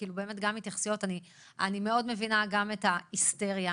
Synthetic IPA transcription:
kiːlube̞ːme̞tɡamitjaχsijo̞tani | animeo̞dme̞vinaɡame̞taiste̞ʁja

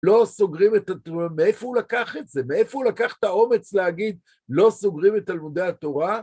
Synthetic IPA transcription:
lo̞so̞ɡʁimet̪atmeefo̞ulakaχetze̞meefo̞ulakaχe̥t̪ao̞me̞t͡sleaɡid̪̚ | lo̞soɡʁimetːalmud̪e̞at̪o̞ʁa

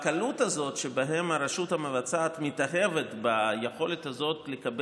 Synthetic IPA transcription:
kalutazo̞tʃebaɦe̞maɾeʃuthamevat͡saːtmitaχevetbajeχo̞lethazo̞tlekab

